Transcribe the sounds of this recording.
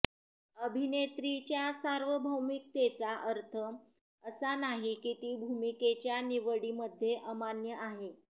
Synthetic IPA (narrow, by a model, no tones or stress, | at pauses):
əbʱinet̪ɾit͡ɕjasaɾʋəbʱəwmik̚t̪et͡saʔəɾt̪ʰə | əsanaɦikit̪iːbʱumiket͡ɕjaniʋəɽiməd̪ʱːjeʔəmanjəʔaɦe